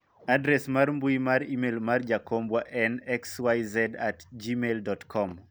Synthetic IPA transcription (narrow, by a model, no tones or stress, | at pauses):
adɾɛsmarmbuimaɾimelmard͡ʒakombwaʔɛnɛkswajzɛdatd͡ʒimeldɔtkʰɔm